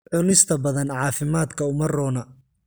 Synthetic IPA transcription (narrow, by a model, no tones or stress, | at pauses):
ʕʊlɪst̪ʰɐbɐðɐnʕɑːfɪmaːd̪kʰɐʊmɐrɔːnɐ